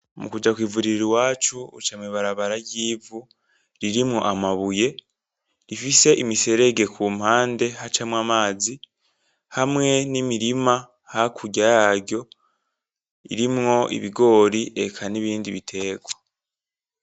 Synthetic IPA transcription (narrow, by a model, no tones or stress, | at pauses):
mukud͡ʒakwiːvuɾiɾiɾwaːt͡ʃuṵt͡ʃamiβaɾaβaɾaɟiːvu | ɾiɾimŋo̞ʔamaβuje̞ | ɾifise̞ʔimise̞ɾe̞ɡe̞kʰuːm̥haːnde̞hat͡ʃamwamaːzi | hamŋe̞nimiɾima | hakʰuɟajaɟo̞ | ḭɾimŋo̞ḭβiɡo̞ːɾiʔe̞kʰaniβiːndiβitʰe̞ːɡwa